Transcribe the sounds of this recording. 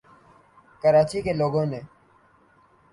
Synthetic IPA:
kəɾaːt͡ʃiːkeːloːɡõːneː

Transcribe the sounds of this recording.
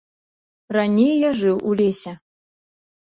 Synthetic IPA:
ranʲejjaʐɨwʔulʲesʲɛ

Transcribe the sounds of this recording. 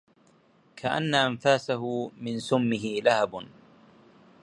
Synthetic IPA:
kʰaʔa̰nːaʔanfaːsaɦʊmɪnsʊmːɪɦɪlahab

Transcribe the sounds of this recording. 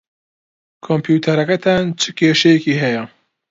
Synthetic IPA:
kʰompʰjuːt̪ʰɐɾɐkɐt̪ʰant͡ʃʰɨkʰeːʃɛjɛkiːɦɛjɐ

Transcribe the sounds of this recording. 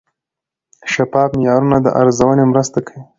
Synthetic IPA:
ʃapɑbmjɑɾunad̪ə̰ʔaɾzawənemɾəst̪akʰawi

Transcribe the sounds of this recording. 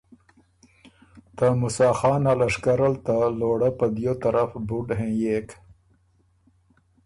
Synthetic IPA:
t̪amusɑːxɑːnalaʂkaɾalt̪aloːɽapad̪jot̪aɾafbuɖɦẽjek

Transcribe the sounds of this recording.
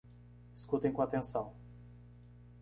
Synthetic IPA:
iskut̪ẽj̃kõat̪ẽsɐ̃w̃

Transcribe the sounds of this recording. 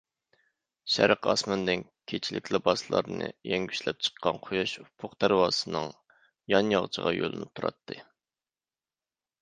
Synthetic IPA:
ʃæ̰ɾəqɑsmɑnd̪ɪn | kʲʰet͡ʃʰilɪkʲʰlɪbɑsɨlˠɑ̰ɾnɨ̰jɛŋɡʲyʃlɛp̚t͡ʃʰə̥qʰːɑnqʰojɑʃupʰʊqt̪ʰæɾwɑːsɨnɨŋ | jɑnjɑʁt͡ʃʰəʁɑ̰jolˠɨnɨt̪ʰuɾɑ̰t̪ʰːɨ

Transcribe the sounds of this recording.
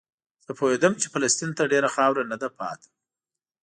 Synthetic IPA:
z̥əpohed̪əmt͡ʃe̥falast̪int̪aɖeɾaxɑwɾanad̪apɑ̰t̪ʰḁ

